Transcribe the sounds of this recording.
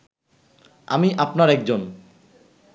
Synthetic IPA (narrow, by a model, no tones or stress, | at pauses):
a̰miʔapnaɾɛk̚d͡ʑon